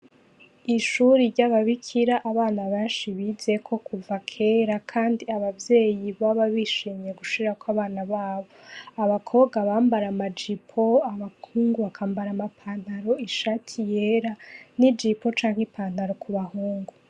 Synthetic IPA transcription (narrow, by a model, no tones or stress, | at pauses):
iʃuɾiɾɟaβaβikʰiɾaʔːβaːnaβaʃiβize̞kʰo̞kuvakʰe̞ːɾakʰaːndiaβavje̞ːjiβaβaβiʃiːmɲe̞ɡuʃiɾakwaβaːnaβaːβo̞aβakʰo̞βɡaβaːmbaɾamad͡ʒipʰo̞aβakʰuːŋɡuβakʰaːmbaɾamapʰaːn̥aɾo̞iʃatʰijeɾanid͡ʒipo̞t͡ʃaːŋ̥hipaːndaɾo̞kuβahuːŋɡu